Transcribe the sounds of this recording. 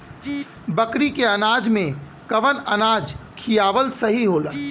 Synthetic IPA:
bəkɾikeənaːd͡ʒmẽ | kɐʋənənaːd͡ʒkʰijaːʋəlsəɦiɦoːlə

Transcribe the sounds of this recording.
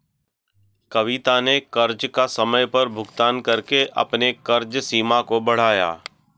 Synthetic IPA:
kɐʋɪt̪anekɐɾd͡ʒkasɐməjpɐɾbʱʊɡt̪aːnkɐɾkeʔɐ̰pnekɐɾd͡ʒsiːmakobɐɽ̤aːja̰ː

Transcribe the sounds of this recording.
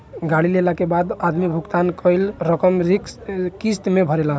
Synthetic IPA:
ɡaɽilelakebad̪ad̪mibʱuɡt̪ankəjlɾəkəmɾikkist̪mebʱəɾelaɦ

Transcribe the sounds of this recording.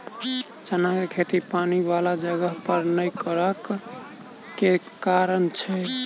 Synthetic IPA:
t͡ʃənakekʰet̪ipanibalad͡ʒəɡəɦpəɾnəjkəɾəkː | e | kaɾənt͡ʃʰɛ

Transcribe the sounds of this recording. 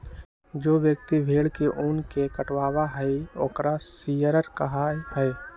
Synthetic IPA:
d͡ʒoːʋjəkt̪ibʱeːɽkeʔʊːnkekəʈwaːwaɦəioːkɾasiːjəɾəɾkəɦaːjpʰəe

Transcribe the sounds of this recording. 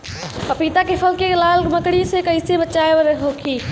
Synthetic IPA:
pɐpit̪akʰefʰɐlkelaːlməkɽisekɐisebət͡ʃaːeʋəɾɦoːkʰiː

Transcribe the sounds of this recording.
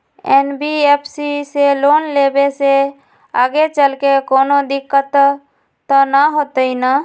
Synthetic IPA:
enbiepʰsiseloːnlebese | a̰ːɡet͡ʃəlkekoːnod̪ɪkːət̪ | t̪ənəɦot̪əina

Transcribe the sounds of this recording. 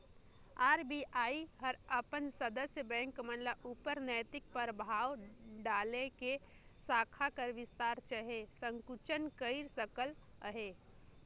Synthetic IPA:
aːɾbiʔaːiɦəɾəpənsəd̪əsjəbɛ̃ːŋkmə̃nləupəɾnəːt̪ɪk̚pəɾbʱaːwɖaːlekesaːkʰakəɾʋɪst̪aːɾt͡ʃaɦesə̃ŋkut͡ʃənkəiɾsəkələɦeː

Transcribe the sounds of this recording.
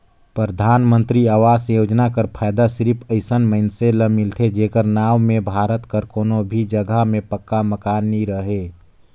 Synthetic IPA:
pɾəd̪ʱaːnmə̃nt̪ɾiaːʋaːsjoːd͡ʒnakəɾpʰaːjd̪asɪɾpʰəɪsənməɪnseləmɪlt̪ʰed͡ʒeːkəɾnaːʋmẽbʱaːɾət̪kəɾkoːnobʱid͡ʒəɡʱəmẽpəkːaməkaːnːiɾəɦeː

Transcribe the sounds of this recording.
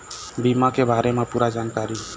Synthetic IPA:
bimakebʱaɾemãpuɾad͡ʒankaɾi

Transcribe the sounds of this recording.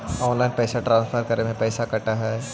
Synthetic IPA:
ɔːnlaːɪnpɛːsaʈɾãːnsfʰəɾkɐɾnemẽpɛːsakɐʈaɦɛː

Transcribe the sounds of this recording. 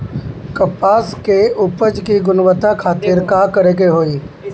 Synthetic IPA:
kɐpaːskeʊpəd͡ʒkiɡʊnʋət̪akʰaːt̪ɪɾkaːkəɾeːkeɦoːiː

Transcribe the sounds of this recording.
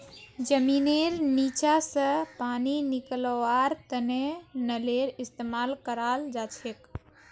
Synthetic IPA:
d͡ʒəmineɾnit͡ʃasə̃paniniklɔaɾt̪ənenəleɾist̪emalkəɾald͡ʒat͡ʃʰek

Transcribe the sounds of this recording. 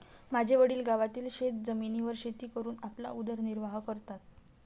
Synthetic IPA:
mad͡ʑʱeʋəɽiːlɡaʋat̪iːlɕet̪̚d͡zəminiʋəɾɕet̪iːkəɾuːnapla̰ud̪əɾniɾʋaɦkəɾt̪at̪

